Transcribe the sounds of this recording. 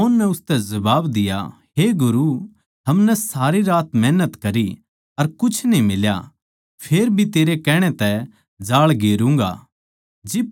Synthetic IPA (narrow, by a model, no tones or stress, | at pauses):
ɔːnːɛʊst̪ɛzɐbaːbd̪ɪja̰ | ɦeɡʊɾu | ɦɐmnɛsaːɾiɾaːt̪mɛːnət̪kɐɾi | ɐɾkʊt͡ʃʰnĩmɪlja̰ | pʰeːɾbʱit̪eːɾekɛːɽ̃ẽt̪ɛ | d͡ʒaːɭɡeːɾũːŋ̆ɡa̰ | d͡ʒɪ